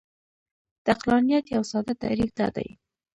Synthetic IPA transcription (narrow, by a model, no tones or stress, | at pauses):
d̪̥əaqlɑnijat̪jawsɑd̪at̪a̰ɾifd̪ɑ̰d̪a̰j